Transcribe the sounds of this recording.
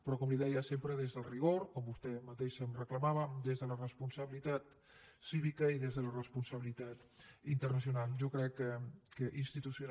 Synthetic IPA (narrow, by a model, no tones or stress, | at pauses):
pɾɔkɔmliðɛjəsempɾəðezðəlˠriɣ̞oɾkɔmbust̪ɛmət̪eʃəmrəkləmaβəmd̪ezðələrəspunsəβilit̪at̪ | siβikəiðezðələrəspunsəβilit̪at̪int̪ərnəs̬iunalˠʒokɾɛkːəkəʔinst̪it̪usjun